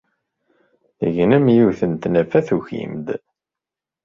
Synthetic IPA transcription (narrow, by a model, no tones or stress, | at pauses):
ə̰ʝnəmjuθənt̪næfæθuçḭmd̪